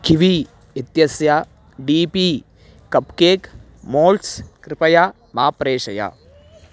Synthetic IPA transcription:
kiʋi | it̪jɐsja | ɖiːpiː | kɐpkeːk | moːlʈskɾɪpɐja | maːpɾeːʃɐja̰

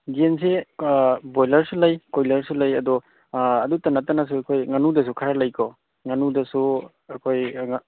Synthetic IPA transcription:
ɡens̬e | bojlɐɾsulɐjkojlɐɾsulɐjɐdɔ | ɐdutɐnatːanas̬uakʰojŋanudɐs̬ukʰaɾalɐjkʰɔ | ŋanudɐsu | akʰojŋ

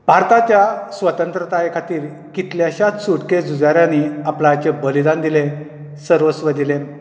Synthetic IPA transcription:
bʱaɾt̪at͡ɕjasʋət̪ənt̪ɾət̪ajekʰat̪iːɾ | kit̪ljaɕat̪suʈked͡zud͡zaɾjaniaplat͡ɕebəlid̪and̪ilẽ | səɾʋəsʋəd̪ilen

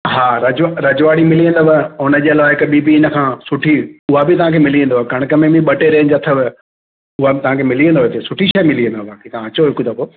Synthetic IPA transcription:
ɦaːɾɐd͡ʑɾɐd͡ʑʋaːɽimɪliə̃nd̪obəʊnəd͡ʑeːɐlaʋaːɪkɓiːbiɪnə̆kʰãːsʊʈʰiʊɦabɪt̪ɐʋ̤ãːkʰemɪliʋẽːn̆d̪oakɐɽ̃kəmẽmĩɓɐʈeɾɐːñɪd͡ʑɐt̪ʰəbɪ | ʊɦabɪt̪ɐʋ̤ãkʰemɪliːə̃nd̪oʋet̪ʰesʊʈʰiʃaːmɪliə̃nd̪obaːkʰet̪ɐãɐt͡ɕoɦɪkud̪ɐkoː

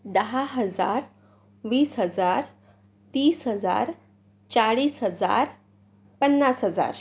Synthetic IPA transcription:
d̪əɦaɦəd͡za̰ɾ | ʋiːsɦəd͡zaɾ | t̪iːsɦəd͡za̰ɾ | t͡saɭiːsɦəd͡za̰ɾ | pənːasɦəd͡za̰ɾ

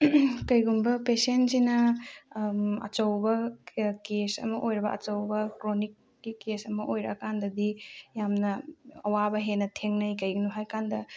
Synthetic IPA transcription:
kɐjɡumbɐpesensinɐ | ɐ̰t͡ʃɐwbɐkesɐ̰mɐʔojɾɐbɐ̰ʔɐ̰t͡ʃɐwbɐkɾonikːikesɐmɐʔojɾɐ̰kandɐdijamnɐɐwabɐɦenɐtʰeŋnɐjkɐjɡinuɦajkandɐ

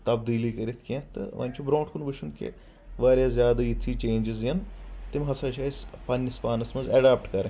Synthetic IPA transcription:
t̪ɐbd̪iːlikɐɾit̪ʰkẽt̪ɨ̰ʋɐ̰nʲt͡ʃʰubɾoːʈkunbɐt͡ʃʰunkḛ | ʋaːɾjaːzʲjaːd̪ajit̪ʰːiːt͡ʃeːnʲd͡ʒɪzjɐnt̪imɦɐsaːʃaːispɐnʲːɐspaːnɐsmɐnzɐɖaːp̚ʈkɐɾe

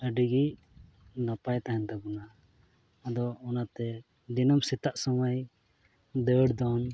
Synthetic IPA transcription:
əɖiɡi | napajt̪aɦɛnd̪abɔnaː | d̪ɔɔnat̪ɛ | d̪inɔmsit̪aʔsɔməj | d̪əɽd̪ɔn

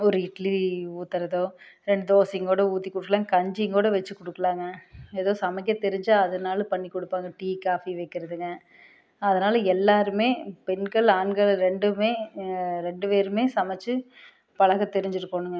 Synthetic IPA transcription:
ɔɾɯɪʈliuːt̪ːɐɾɐðoːɾɛɳɖɯd̪oːsɪŋɡoːɽɐuːt̪ːikːɔɽɯkːɐɭaːŋɡɐkɐɲd͡ʒɪŋɡoːɽɐʋɛt͡ʃːɯkɔɽɯkːɐɭaːŋɡɐɛðoːsɐmɛk̬ːɐt̪ɛɾɪɲd͡ʒaːɐðɐnaːlɐpɐɳːikːɔɽɯpːaːŋɡɐʈiːkaːfiʋɐɪkːɪɾɐðɯŋɡɐ | ɐðɐnaːlɐɛlːaːɾɯmeːpɛnɡɐɭaːnɡɐɭɾɛɳɖɯmeːɾɛɳɖɯpeːɾɯmeːsɐmɛt͡ʃːɯ | pɐɭɐɣɐt̪ɛɾɪɲd͡ʒɪɾɯkːoːɳɯŋɡɐ

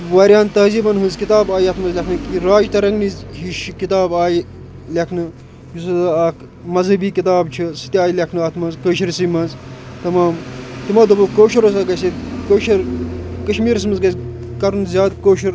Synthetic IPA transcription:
ʋɐːɾjaːnt̪ɐzibɐnɦunzkit̪aːbaːjɐt̪ʰmɐzlʲekʰnɨkiɾaːd͡ʒt̪ɐɾɐŋɡnizɦiʃkit̪aːbaːji | lʲekʰnɨ | jusɐzɨɐːk | mɐzɦɐbiːkit̪aːbt͡ʃʰisɨ̥t̪ʲaːjilʲekʰnɨɐt̪ʰmɐzkəːʃiɾsimɐz | t̪ɐmaːmt̪imaːd̪ubukoːʃɐɾos̬ɐɡɐsikoːʃɐɾkɐʃmiːɾɐs̬mɐzɡɐz | kɐɾunzʲjaːd̪koːʃɐɾ

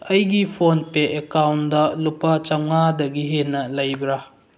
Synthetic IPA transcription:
ɐjɡipʰonpeʔekawndɐlupɐt͡ʃaŋŋadɐɡiɦenːɐlɐjbɾa

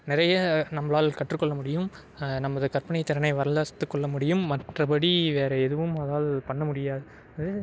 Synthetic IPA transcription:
nɪɾɐjɐnɐmːɐlaːlkɐʈrɯkːɔɭːɐmʊɽɪjɯm | nɐmːɐðɯkɐɾpɐnɐɪt̪ːɪɾɐnɐɪʋɐɾɐlaːst̪ːɯkːɔɭːɐmʊɽɪjɯmːɐʈrɐpɐɽiʋeːɾɐɛðɯʋɯmɐðaːlpɐɳːɐmʊɽɪjaːðɯ | ɐðɯ

